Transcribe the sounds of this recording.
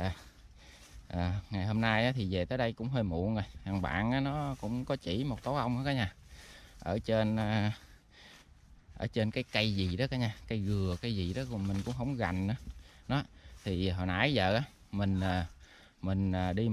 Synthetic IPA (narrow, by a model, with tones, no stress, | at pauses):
ʔəː˨˩ŋa˨˩jho˧mna˧jʔaː˨˦t̪ʰi˨˩ve˨˩t̪əː˨˦jɗə˧jkʊ̰˧˥ŋ͡mɦəː˧jmṵ˧˨ənzo˨˩jhaː˨˩ŋɓa̰ː˧˨nʔaː˨˦nɔ˨˦kʊ̰˧˥wŋ͡mkɔ˨˦t͡ɕḭ˧˩mo˨˩t̚t̪o˨˦ʔə˧wŋ͡mʔaː˨˦kaː˨˦ɲaː˧˩ | ʔəː˧˩t͡ɕe˧nː˨˧ | ʔəː˧˩t͡ɕe˧nkaː˨˦jkə˧jzi˨˩ɗɔ˨˦kaː˨˦ɲaː˧˩kə˧jɣɨ˨˩əka˧jzi˨˩ɗɔ˨˦kʊ˧˩mï˨˩ŋ̟kʊ̰˧˥ŋ͡mɦə˧˩wŋ͡mɣa˨˩jŋ̟ʔaː˨˦ɗɔ˨˦t̪ʰi˨˩˨ɦɔ̰˧˩nʔa̰ː˧˦jzə̰ː˧˨ʔaː˨˦ | mï˨˩ŋ̟aː˨˩ | mï˨˩ŋ̟əː˨˩ɗi˧